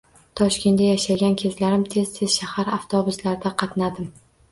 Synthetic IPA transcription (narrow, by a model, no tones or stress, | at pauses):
t̪ʰɒʃkʲe̞najaʃaɡʲankʲʰe̞zlaɾɪmt̪ʰe̞z̥t̪ʰe̞z̥ʃahaɾaft̪ʰɒbʊslaɾd̪aqʰɑt̪nad̪ɪm